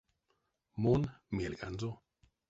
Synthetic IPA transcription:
monmielkanzo

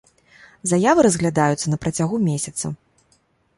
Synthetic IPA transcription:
zajavɨɾɐzɣlʲad̪ajut̪sːɐnɐpɾɐt͡sʲaɣumʲesʲɐt̪sɐ̰

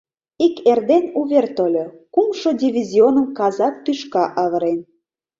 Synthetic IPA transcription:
ikerd̪enuβʲert̪olʲokumʃodʲivʲizʲionə̆mkɑzɑk̚t̪yʃkɑʔɑβə̆ɾen

